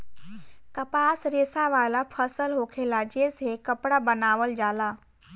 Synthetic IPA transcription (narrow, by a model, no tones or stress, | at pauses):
kəpaːsɾeːsaʋaːlapʰəsəlɦoːkʰelad͡ʒeːsekəpɽabənaːʋəld͡ʒaːlaː